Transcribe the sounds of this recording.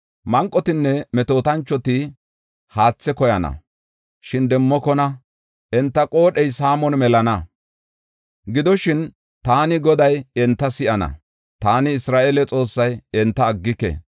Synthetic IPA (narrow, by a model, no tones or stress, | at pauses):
mɐŋkʼːɔt̪ɪnːɛmɛt̪o̞ːt̪ɐnt͡ʃːɔt̪ɪ | haːt͡sːɛkɔjɐnɐ̰ | ʃɪnd̪ɛmːɔkɔnɐ | ʔɛnt̪ːɐkʼo̞ːɗɛjsaːmɔnmɛlɐnɐ | ɡɪd̪ɔʃɪn | t̪aːnɪɡɔd̪ɐjɛnt̪ːɐsɪʔɐnɐ̰ | t̪aːnɪːsɾaːʔelɛt͡sʼo̞ːsːɐjɛnt̪ːɐːɡːɪkɛ̰